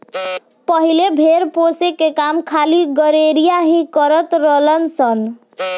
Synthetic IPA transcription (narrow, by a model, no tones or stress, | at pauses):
pəɦilebʱeɾposekekamkʰaliɡəɾeɾijaɦĩkəɾət̪ɾələnsən